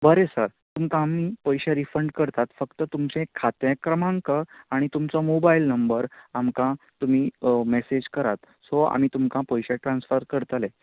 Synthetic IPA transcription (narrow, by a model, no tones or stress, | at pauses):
bəɾesəɾ | t̪umkãamːiːpəjɕaɾifəɳɖkəɾt̪at̪fəkt̪ət̪umt͡ɕẽkʰːat̪jakɾəmãŋkəaɽ̃it̪umt͡sɔmobailnəmbəɾamkã | t̪um̤iːmesed͡ʑkəɾat̪ | sɔa̰miːt̪umkãpəjɕaʈɾãnsfəɾkəɾt̪ale